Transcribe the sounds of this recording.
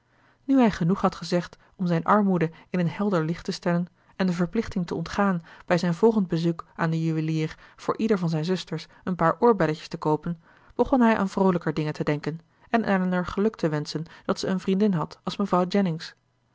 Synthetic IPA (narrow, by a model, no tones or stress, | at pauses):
nyɦɛjχənuχɦɑtχəzɛχt | ɔmzɛjnʔɑɹmudəɪnənɦɛlˠdəɹlɪχtəstɛlən | ɛndəvəɹplɪχtɪŋtəɔntχaːnb̥ɛjzɛjnvɔlˠχənd̚bəzukaːndəjyʋəliːrv̥ʊːɹʔidəɹvɑnzɛjnzɵstəɹs | ənpaːɹʔʊːɹbɛləjə̥stəkowpən | b̥əχɔnɦɛjʔa̰ːnvrowləkəɹdɪŋətədɛŋkən | ɛnʔɛlnəɹχəlɵk̚tʰəʋɛnsənd̥ɑtsəənvrindɪnɦɑtɑlˠsməvrɑwd͡ʒɛnɪŋs